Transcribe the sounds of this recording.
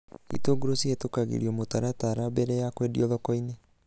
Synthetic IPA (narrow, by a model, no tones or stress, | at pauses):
ḭtoɡuɾosiɛtokaɣḭɾiɔmotaɾataɾabɛɾɛjakwɛdiɔðɔkɔine